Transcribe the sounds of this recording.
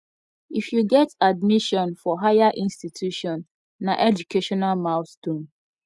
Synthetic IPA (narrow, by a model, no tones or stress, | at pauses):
ifjuɡɛtadmiʃɔ̃nfɔɦajaʔĩnstitʰjuʃɔ̃nː | aʔɛd͡ʒukeʃɔnalmaʊθtũn